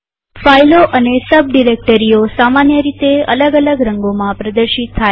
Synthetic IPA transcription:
fajloʔənesəb̚ɖiɾek̚ʈəɾiosamanjəɾit̪eə̰ləɡələɡɾəŋɡomãpɾəd̪əɾʃit̪ʰːaj

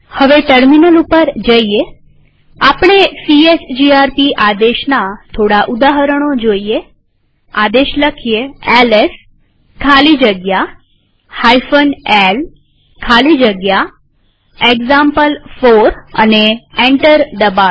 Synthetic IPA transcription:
həʋeʈəɾminəlupəɾd͡ʒəije | apɳ̃esiesd͡ʒiaɾpiʔad̪eʃnat̪ʰoɽaʔud̪aɦəɾəɽ̃od͡ʒoije | ad̪eʃləkʰijeeles | kʰalid͡ʒəɡja | hajfənel | kʰalid͡ʒəɡja | ekzampəlfoɾə̰neẽɳʈəɾd̪əba

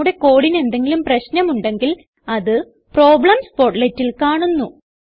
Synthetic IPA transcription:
uɽe̞ko̞ːɽine̞nd̪e̞ŋɡilumprɐɕnɐmuɳɖe̞ŋɡil | ɐðɨ | pro̞ːbɭɐmspo̞rʈletːilkaːɳunːu

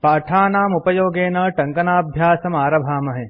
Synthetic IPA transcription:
paːʈʰaːnaːmupɐjoːɡeːnɐʈɐŋkɐnaːbʱjaːsɐmaːɾɐbʱaːmɐɦe

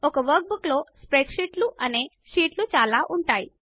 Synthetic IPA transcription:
ɔkɐʋɐɾk̚bukloːspɾeʈʃiːʈluʔɐneː | ʃiːʈlut͡ʃaːlaːʔuɳʈaːji

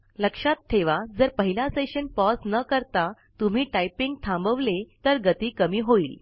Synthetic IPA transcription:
ləkʂat̪tʰːeʋad͡zəɾpəɦilasəɕənpɔsnəkəɾt̪a | t̪um̤iːʈajpĩŋɡ̚t̪ʰãmbəʋlet̪əɾɡət̪iːkəmiːɦoiːl

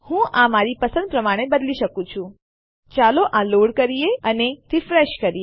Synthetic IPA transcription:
hũʔãmaɾipəsə̃nd̪̚pɾəmaɽ̃ebəd̪liʃəkũt͡ʃʰũ | t͡ʃaloʔãloɽkəɾijeəneɾifɾeʃkəɾie

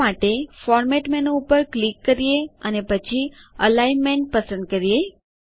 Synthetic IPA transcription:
aʈefɔɾmɛʈmɛnoupəɾklikːəɾijeənepət͡ʃʰiəlainmɛnʈ̚pəsəɳɖ̚kəɾije

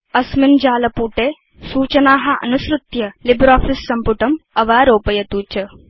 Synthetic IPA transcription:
ɐsmind͡ʒaːlɐpuːʈeː | suːt͡ʃɐnaːɦɐ̆ʔɐ̰nusɾut̪jɐlibɾaːfisːɐmpuʈɐmɐʋaːɾoːpɐjɐt̪uːt͡ʃɐ

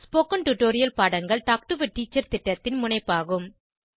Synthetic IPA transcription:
spoːkɐnʈʊʈoːɾɪjɐlpaːɽɐŋɡɐɭʈaːk̚ʈɯʋɪʈːiːt͡ʃːɐɾt̪ɪʈːɐt̪ːɪnmʊnɐɪpːaːɣɯm

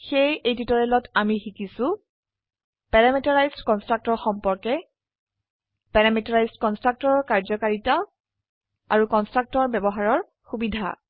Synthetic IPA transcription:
xejejtitɔɹɛlɔtʰamixikisʊ̃ | pɛɹamitaɹajztkɔnstɹak̚tɔɹxɔmpɔɹkɛ | pɛɹamitɔɹajstkɔnstɹak̚tɔɹɔɹkaɹzɔkaɹitɔ | a̰ɹukɔnstɹak̚tɔɹbɛbɔɦaɹɔɹ | xubidʱa̰

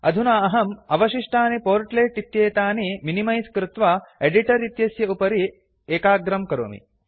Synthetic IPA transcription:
ɐd̪ʱunaːɐɦɐmɐʋɐʃiʂʈaːnipoːɾʈleːʈit̪jeːt̪aːniminimɐjskɾɪt̪ʋaeɖiʈɐɾit̪jɐsjɐupɐɾi | eːkaːɡɾɐmkɐɾo̰ːmḭ

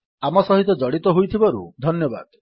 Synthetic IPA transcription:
amɔsɔɦit̪ɔd͡ʒɔɽit̪ɔɦujt̪ʰibɔɾṵd̪ʱɔnjɔba̰d̪

